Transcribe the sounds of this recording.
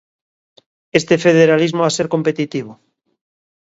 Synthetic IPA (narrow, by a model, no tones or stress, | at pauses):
est̪efeðeɾalizmoaseɾkompet̪it̪iβ̞o